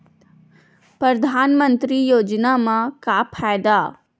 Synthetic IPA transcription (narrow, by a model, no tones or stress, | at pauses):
pɾəd̪ʱaːnmə̃nt̪ɾijoːd͡ʒnamãkapʰaːjd̪aː